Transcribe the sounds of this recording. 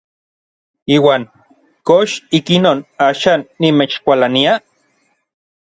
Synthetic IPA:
iːwaːŋ | koʃikinoːnaːʃaːnːimet͡ʃkʷalania

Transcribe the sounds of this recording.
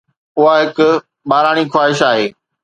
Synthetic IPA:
ʊɦaɦɪkʊ̆ | ɓaːɾaːɽ̃ixwaːɦɪʃaːɦeː

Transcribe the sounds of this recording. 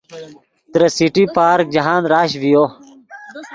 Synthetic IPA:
t̪ɾɐsiʈipaːɾk̚d͡ʑɐɦãːnɾaːɕʋijo

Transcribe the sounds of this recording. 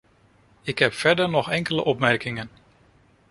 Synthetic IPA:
ɪkɦɛpfɛɹdəɹnɔχɛŋkələ̰ʔɔpmɛɹkɪŋən

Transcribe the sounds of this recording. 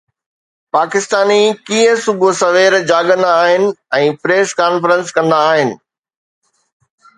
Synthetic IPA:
paːkɪst̪aːnikĩːə̃sʊbʱosɐʋeːɾd͡ʑaːɡə̃nd̪aaːɦɪnɪ̆ɛ̃ːpɾeːskaːnfəɾə̃nskɐ̃nd̪aːɦɪnɪ̆

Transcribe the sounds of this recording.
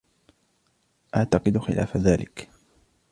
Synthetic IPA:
ʔaʕt̪ɑqɨd̪xɪ̰lʔa̰ːfaðaːlʔɪk

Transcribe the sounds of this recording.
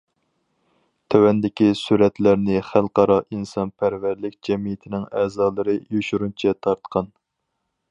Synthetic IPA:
t̪ʰøwɛnd̪ɪkʲisuɾɛt̪læɾnɪχælˠqɑɾɑʔinsɑnpʰæɾvæɾlɪk̚ʲd͡ʒɛmijɪt̪ʰɪnɪŋɛːzɑːlˠɨɾɨjoʃuɾunt͡ʃʰɛt̪ʰɑɾt̪qʰɑn

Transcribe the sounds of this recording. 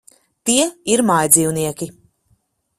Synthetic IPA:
t̪iɛiɾmajd̪ziːwniɛkʲi

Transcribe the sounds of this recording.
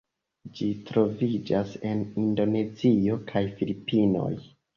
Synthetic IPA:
d͡ʒitɾo̞vid͡ʒase̞nindo̞ne̞zio̞kʰajfilipino̞̰j

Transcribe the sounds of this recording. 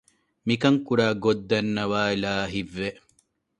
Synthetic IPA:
mikɐŋkuɾaːɡod̪ːɐnːɐʋaːilaːɦiʋːe

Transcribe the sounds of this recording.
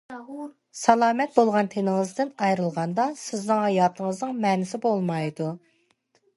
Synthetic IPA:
sɑlˠɑːmɛt̪̚bolˠʁɑnt̪ʰenɪŋɨzd̪ɪnɑjɾɨlˠʁɑnd̪ɑsɪznɪŋhɑjɑːt̪ʰəŋəznɨŋmɛnɪsɪbolˠmɑjd̪u

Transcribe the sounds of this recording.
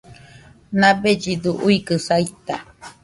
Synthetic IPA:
nãbed͡ʒid̪uʔuikɨsait̪a̰

